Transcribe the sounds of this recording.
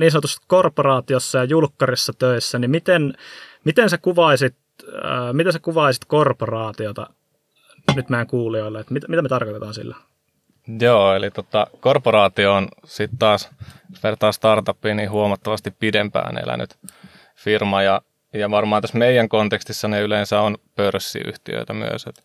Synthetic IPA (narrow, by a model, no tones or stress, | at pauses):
niːnsɑnot̪usekorporɑːt̪iosːɑjɑjulkːɑrisːɑt̪øisːænimit̪enmit̪ensækuʋɑisit̪ː | mit̪ensækuʋɑisit̪korporɑːt̪iot̪ɑ̰ | nyt̪mæːŋkuːlioilːɑet̪mit̪æmit̪æmet̪ɑrkot̪et̪ɑːnsḭlːæ | joːelit̪ot̪ɑkorporɑːt̪ioːnsit̪t̪ɑːspert̪ːɑːst̪ɑrt̪ɑpːiːniːhuomɑt̪ːɑʋɑst̪ippidempæ̰ːnḛlʔæ̰ny̰t̪ | firmɑjɑ | jɑʋɑrmɑːnt̪æsmeijˑæŋkont̪ekst̪isːɑneyleːnsæonpørsːḭy̰ht̪ḭø̰it̪æmy̰ø̰set̪